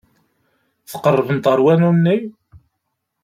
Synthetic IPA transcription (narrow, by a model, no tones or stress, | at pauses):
θə̥qərˤːəvənt̪ˤəɾˤwænunnːij